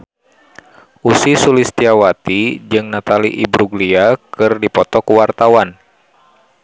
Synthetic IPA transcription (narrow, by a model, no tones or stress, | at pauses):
ʔusisulist̪iawat̪id͡ʒɨŋnat̪aliʔibɾuɡliakɨrdipɔt̪ɔkuwart̪awan